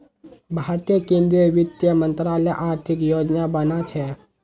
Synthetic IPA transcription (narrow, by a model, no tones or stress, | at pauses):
bʱaːɾt̪ijəkẽːnd̪ɾiəʋɪt̪jəmə̃nt̪ɾaːləjʔaːɾt̪ʰɪkjoːd͡ʒnabənat͡ʃʰɛ